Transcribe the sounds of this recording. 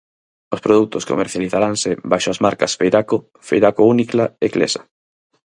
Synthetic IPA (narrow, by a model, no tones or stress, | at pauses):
ospɾoðut̪osko̰mḛɾθjaliθaɾaŋsɪbajʃoazmaɾkɐsfejɾako | fejɾakouniklaeklḛsḁ